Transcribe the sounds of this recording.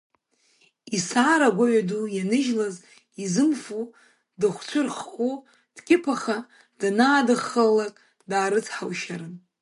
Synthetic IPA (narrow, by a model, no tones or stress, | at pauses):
isaːɾaɡʷaɥadujanɨʒlaz | izɨmfu | dɨχʷt͡ʃʷʰʊrχkʷʼu | d̥kʲʼɪpʰaχa | d̥anaːdɨχəlakʼ | daːɾɨt͡sʰħawʃaɾɨn